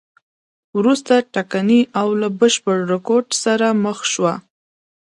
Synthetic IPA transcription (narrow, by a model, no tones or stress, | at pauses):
wɾust̪aʈakaniʔawlabəʃpəɽɾɪkoɾɖsaɾaməxʃwa